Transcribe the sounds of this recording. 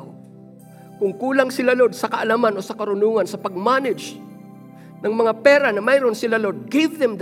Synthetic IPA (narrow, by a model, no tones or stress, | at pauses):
kʊŋkuːlaŋsɪlalod̪̚sɐkaʔalamanosɐkaɾʊnuːŋansɐpɐɡ̚manɪd͡ʒ | nɐŋmɐŋapɛːɾanɐmajɾonsɪlalod̪̚ɡɪvðɛmd̪